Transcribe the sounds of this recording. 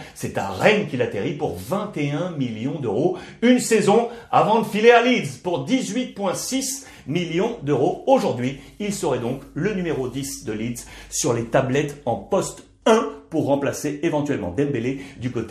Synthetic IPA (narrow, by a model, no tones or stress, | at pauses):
sɛt̪ã̰ʁɛnkʲilat̪eʁipuʁvɛ̃t̪eɛ̃miljɔ̃d̪øʁoynsɛzɔ̃avɑ̃d̪əfilealid̪zpuʁd̪izɥit̪̚pwɛ̃sis | miljɔ̃d̪øʁooʒuʁd̪ɥiilsəʁɛd̪ɔ̃klənymeʁod̪isd̪əlid̪zsyʁlet̪ablɛt̪ɑ̃pɔst̪ | ɛ̃puʁːɑ̃plaseevɑ̃t̪ɥɛlmɑ̃d̪ɛmbeled̪ykot̪e